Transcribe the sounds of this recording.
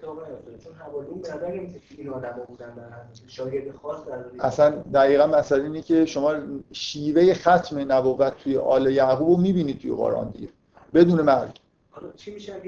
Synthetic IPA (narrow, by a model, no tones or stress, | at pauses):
t͡ʃʰonɦævɒːdimbd̪æɾemisekʰeinɒːd̪æmɔbud̪ænd̪ææʃɒːjeɾd̪exɒsd̪æɾɔʔæsænd̪æɣiːɣænmæsæleiːnecʰe̞ʃo̞mɒːʃiːveje̞xæt̪ʰme̞næboɣæt̪ʰːujḛʔɒ̰ːlejæɣuːbomiːbiːnid̪̚t̪ʰujeɣo̰ɾɒ̰ːnd̪ḭɟe | be̞d̪uːnemæɾɟ | hlt͡ʃʰimiʃæ